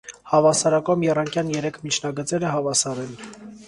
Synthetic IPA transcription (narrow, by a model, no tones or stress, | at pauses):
hɑvɑsɑɾɑkɔmjɛrɑŋkjɑnjɛɾɛkʰmit͡ʃʰnɑɡət͡sɛɾəɦɑvɑsɑɾɛn